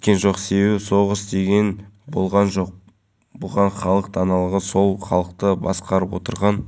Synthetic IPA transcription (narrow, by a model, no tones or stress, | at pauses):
kʲenʒo̞qse̞be̞bɪso̞ʁəsd̪e̞ɡʲe̞nbo̞̰lˠʁɑnʒo̞q̚ | bʊlˠʁɑɴχɑlˠəqt̪ʰɑnɑlˠəʁəso̞lˠχɑ̰lˠəq̚t̪əbɑ̰sqɑɾəpwot̪əɾʁɑn